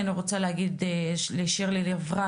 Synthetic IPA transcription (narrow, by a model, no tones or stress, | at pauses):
aniʁot͡saleaɡid̪eleʃiʁlilevʁa